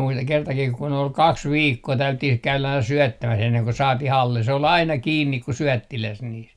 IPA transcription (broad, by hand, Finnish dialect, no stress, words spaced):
muistɑŋ kertɑkih kun ol kɑks ʋiːkːoː tæylytːih kæylæ ɑinɑ syœˑtːæmæs enːeŋ ko sɑːtih ɑlːe se ol ɑinɑ kiːnːik ku syœˑtːilæs niːs